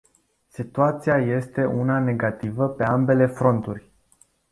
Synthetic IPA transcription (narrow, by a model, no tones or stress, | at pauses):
sit̪uat̪siaje̞st̪e̞ʔunane̞ɡat̪ivəpe̞ambe̞le̞fɾo̞nt̪urʲ